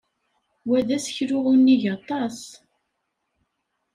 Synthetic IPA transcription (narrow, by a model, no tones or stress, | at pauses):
wæðæsçɾʊʁʊnːiʝɑt̪ˤɑs